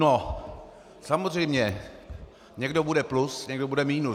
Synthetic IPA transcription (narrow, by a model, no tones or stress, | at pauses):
no | samozr̝ɛjmɲɛ | ɲɛɡdobudɛplusɲɛɡdobudɛmiːnu